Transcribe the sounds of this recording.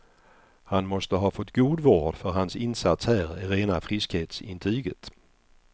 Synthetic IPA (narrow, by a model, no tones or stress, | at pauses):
hanmɔst̪əɦɑːfɔt̪ːɡuːd̪vɑːɖfœɾɦansɪnsat̪shæːɾɪɾeːnafɾɪskheːt̪sɪ̰nt̪ʰɾyːɡət̪